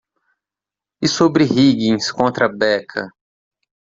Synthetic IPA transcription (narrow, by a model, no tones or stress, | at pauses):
ɪsobɾɪhiɡĩj̃skõnt̪ɾɐbɛkʰɐ̰